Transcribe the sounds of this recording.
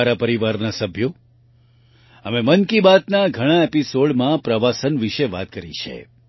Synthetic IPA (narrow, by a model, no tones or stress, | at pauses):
ɾapəɾiʋaɾnasəbʱjo | əmemənkibat̪naɡʱəɽ̃ãepisoɽmãpɾəʋasənʋiʃeʋa̰t̪kəɾḭt͡ʃʰḛ